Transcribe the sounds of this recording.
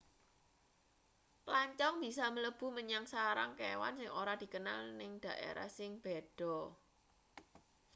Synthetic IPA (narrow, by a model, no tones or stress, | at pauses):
plaɲt͡ʃɔŋb̥i̤samələb̥ṳməɲaŋsaɾa̰ŋkewa̰nsɪŋoɾad̥i̤kənalnɪŋd̪̥ä̤ʔḛɾa̰hsɪŋb̥ed̥ɔ̤